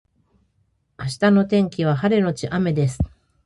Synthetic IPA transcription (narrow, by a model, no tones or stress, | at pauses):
aɕi̥t̪ano̞t̪ẽ̞ŋkʲiβ̞aɦaɾe̞no̞t͡ɕiʔame̞d̪e̞sɨ̥